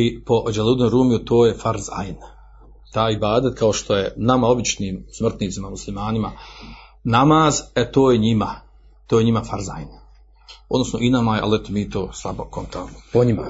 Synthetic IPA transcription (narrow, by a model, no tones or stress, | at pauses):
ipo̞ʔd͡ʒelˠuːd̪noɾuːmijut̪oːje̞faɾza̰jn | t̪aːjibaːd̪at̪̚kao̞ʃt̪ʰo̞je̞namao̞bit͡ʃniːmsmr̩t̪niːt̪simamuslimaːnima | namaːzet̪oːjeɲima | t̪oːjeɲimafaɾza̰jin | od̪nosno̞ʔinamajeʔa̰lɛt̪omiːt̪oːslˠabokont̪aːnopoɲima̰